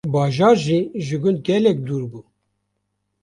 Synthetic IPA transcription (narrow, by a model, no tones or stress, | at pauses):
bɑːʒɑːɾʒiːʒɨɡʊnd̪̚ɡɛlɛk̚d̪uːɾbuː